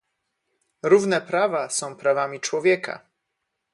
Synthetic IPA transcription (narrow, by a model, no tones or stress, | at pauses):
ɾuvnɛpɾavasɔ̃w̃pɾavamʲit͡ʂwɔvʲjɛkʰa̰